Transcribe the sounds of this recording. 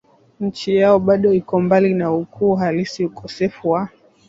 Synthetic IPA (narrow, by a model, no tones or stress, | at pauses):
ɲ̩t͡ʃijaɔɓaɗɔikɔmbalinaukʰuːɦalisiukɔsɛfuwa